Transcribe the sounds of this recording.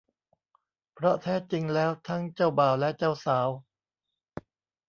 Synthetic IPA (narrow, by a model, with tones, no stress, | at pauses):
pʰɾɔ˦˥t̪ʰɛː˦˥t͡ɕi˧ŋlɛː˦˥wt̪ʰa˦˥ŋt͡ɕa˥˩wbaː˨˩wlɛ˦˥t͡ɕa˥˩wsaː˩˦w